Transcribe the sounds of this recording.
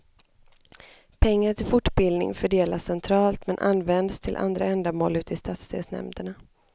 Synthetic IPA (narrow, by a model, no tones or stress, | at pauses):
pʰɛŋːaʈɪlfʊʈːbɪld̪nɪ̰ŋfœɖeːlasɛnt̪ʰɾɑːlt̪mɛnʔa̰nːvɛnd̪st̪ʰɪlʔa̰nd̪ɾaɛnd̪amoːlʉ̟ːt̪ɪst̪ʰaːt̪st̪ʰḛːsnɛ̰md̪əɳa